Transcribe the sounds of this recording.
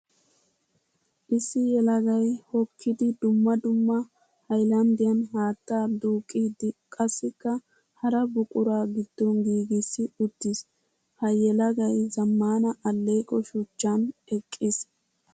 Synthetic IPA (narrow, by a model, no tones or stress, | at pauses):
ʔɪsːɪjɛlɐɡɐjhɔkʰːɪd̪ɪd̪ʊmːɐd̪ʊmːɐ | hɐjlɐnd̪ɪjɐnhaːt̪ːaːd̪uːkʼːiːd̪ɪkʼɐsːɪkːɐ | hɐɾɐbʊkʼʊɾaːɡɪd̪̥ːɔnɡiːɡɪsːɪʊt̪ːɪs | hɐjɛlɐɡɐjzɐmːaːnɐʔɐlːeːkʼɔʃʊt͡ʃːɐnɛkʼːis